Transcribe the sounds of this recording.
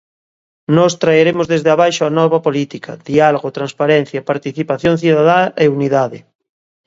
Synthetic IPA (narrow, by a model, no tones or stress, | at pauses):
nɔst̪ɾaeɾemozðezðeaβajʃoanɔβɐpolit̪ikʰɐðialoɣot̪ɾanspaɾɛn̟θjapaɾt̪iθipaθjoŋθiðaðaʔeuniðaðɪ̰